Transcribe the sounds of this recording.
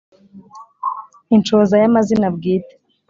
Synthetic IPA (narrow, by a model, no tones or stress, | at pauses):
int͡ʃozajamazinabɡiːte̥